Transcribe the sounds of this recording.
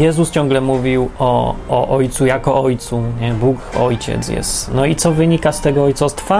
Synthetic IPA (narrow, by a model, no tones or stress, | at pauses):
jɛzust͡ɕɔ̃ŋɡlɛmuvʲiwɔːʔɔjt̪sujakɔɔjt̪suɲɛbukɔjt͡ɕɛ̰t̪sjɛ̰st̪nɔit̪sɔvɘɲikast̪ɛɡɔɔjt̪sast̪fa